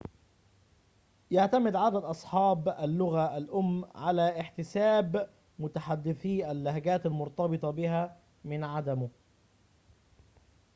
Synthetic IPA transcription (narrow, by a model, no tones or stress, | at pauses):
jaʕt̪amɪd̪ʕad̪ad̪ʔɑsˤħɑːbælːʊɣaʔːlʔʊmːʕalæʔɪħt̪ɪsæːb | mʊt̪aħad̪ːɪθiːʔælːahɡæːt̪almʊɾt̪ˤɑbɨt̪ˤɑbɪɦæ | mɪnʕad̪æmʊ